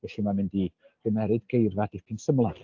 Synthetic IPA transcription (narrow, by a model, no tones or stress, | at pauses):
vɛɬɪmamɪndi | r̥ɨmɛɾɨdɡejrvadɪpʰinsəmlˠḁ